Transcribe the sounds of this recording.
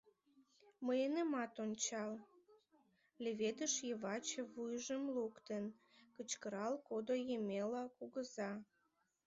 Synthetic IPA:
məjenəmɑt̪onʲt͡ɕɑl | leβed̪əʃjəβɑt͡ɕəβujʒəmlukt̪ənkət͡ɕkəɾɑlkod̪ojəmʲelɑkuɣəzɑ

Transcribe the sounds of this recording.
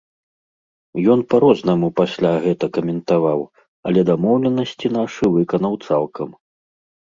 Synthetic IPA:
jɔnpɐɾɔznɐmupasʲlʲaɣɛt̪ɐkɐmʲɛnt̪avaw | ɐ̰lʲɛd̪amɔwlʲɛnɐsʲt͡sʲinaʂɨvɨkɐnɐwt̪salˠkɐm

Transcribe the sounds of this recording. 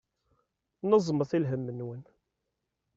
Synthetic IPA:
nəzˤməθilɦəmːənːwən

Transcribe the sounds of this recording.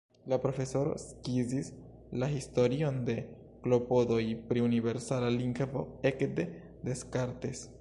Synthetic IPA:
lapɾo̞fe̞so̞ɾo̞̰skizis | lahisto̞ɾio̞nde̞ | klo̞po̞do̞jpɾiunive̞ɾsalaliŋkvo̞e̞kde̞ | de̞skaɾtes

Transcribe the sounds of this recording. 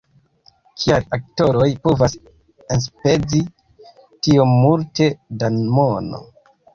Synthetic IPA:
kʰialak̚to̞ɾojpovas | enspe̞d͡zi | tiomːulte̞danmono̰

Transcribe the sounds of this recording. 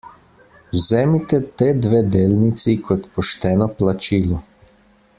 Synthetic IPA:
wzɛːmit̪ɛt̪eːd̪ʋeːd̪eːlnit̪sikʰɔt̪pɔʃt̪ɛːnɔplat͡ʃiːlɔ

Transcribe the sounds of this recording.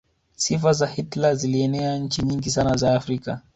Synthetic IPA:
sifazahitlaziliɛnɛaɲ̩t͡ʃiɲiŋɡisanazaːfɾika̰

